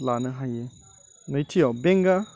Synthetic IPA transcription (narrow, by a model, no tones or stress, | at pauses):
lanɯɦaje | nəjtʰijawbeŋɡa